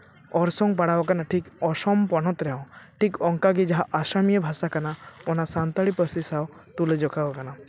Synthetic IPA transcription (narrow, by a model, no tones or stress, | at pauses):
ɔɾsɔŋpaɽabakanaʈʰikɔsɔmpɔnɔt̪ɾɛɔ̃ʈʰikɔŋkaɡid͡ʒaɦaʔaʃamijɔbʱasakanaɔnasant̪aɽipɔɾsisaw | t̪uled͡ʒɔkʰabakana